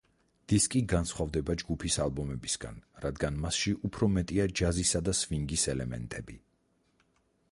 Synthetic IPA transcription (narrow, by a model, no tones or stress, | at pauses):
d̪̥iskʼiɡansχwavd̪ɛbad͡ʒɡupʰisalˠbɔmɛbisɡ̥a̰nɾad̪ɡanmasʃiʔupʰɾɔmɛt̪ʼiad͡ʒazisad̪asviŋɡisɛlɛmɛ̰nt̪ʼɛbi